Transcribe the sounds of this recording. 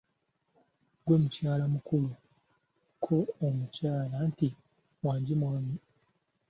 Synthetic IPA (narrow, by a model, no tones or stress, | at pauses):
ɡweːmucaːlamukulu | kʰoːmucaːlanti | waːɲɟimwaːmi